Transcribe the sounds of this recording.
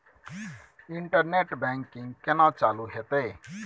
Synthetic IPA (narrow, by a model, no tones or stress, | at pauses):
iɳʈəɾneʈbɛŋkiŋɡkenat͡saluɦet̪e